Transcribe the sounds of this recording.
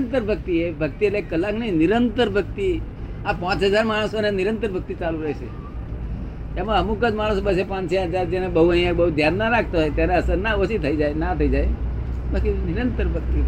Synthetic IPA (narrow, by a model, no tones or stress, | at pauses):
nt̪əɾbʱək̚t̪iebʱək̚t̪iellekəlːaknəĩnɪɾənt̪əɾbʱəkt̪i | apãːt͡ʃɦəd͡ʒaɾmaɽ̃sonenɪɾə̃nt̪əɾbʱək̚t̪it͡ʃaluɾəɦese | emãəmũkəd͡ʒmaɽ̃sobəsepãt͡ʃãɦəd͡ʒaɾd͡ʒenebəɦuə̃ɦĩjãkbəɦud̪ʱjanːaɾakʰt̪aɦoet̪janeəsəɾnaosit̪ʰəid͡ʒaenat̪ʰəid͡ʒae | balkinɪɾənt̪əɾbʱək̚t̪i